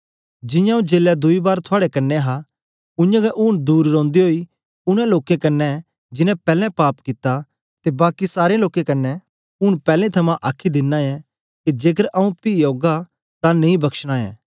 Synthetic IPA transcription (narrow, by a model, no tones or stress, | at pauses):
d͡ʒɪ̃jãũd͡ʒeːljad̪ʊibaːɾt̪ʰʊaːɽɛkɐnːɛɦa | ʊ̃jãɡɛʔʊːɽ̃d̪uːɾɾɔ̃ːnd̪iɦoi | ʊɽ̃ɛ̃loːkẽkɐnːɛ | d͡ʒɪnɛ̃pɛːlɛ̃paːpkɪt̪a | t̪ebaːkisaːɾeloːkẽkɐnːɛ | ʊɽpɛːlẽt̪ʰɐmãʔaːkʰid̪ɪnːãjɛ̃ | kid͡ʒeːkəɾɐũpiːjoːɡa | t̪anẽĩbɐkʃɽ̃ãɛ̰̃ː